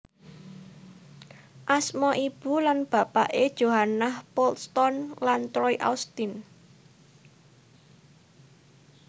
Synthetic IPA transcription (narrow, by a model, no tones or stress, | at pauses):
ʔasmɔʔib̥ṳlanb̥a̤pa̰ʔed̥ʒ̥o̤ɦanahpɔlst̪ɔnlant̪ɾɔiʔa̰ust̪in